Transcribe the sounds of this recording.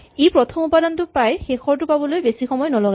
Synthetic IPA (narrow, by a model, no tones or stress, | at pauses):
epɹɔtʰɔmupadɔntʊpajxexɔɹtʊpabɔlojbesixɔmɔjnɔlɔɡa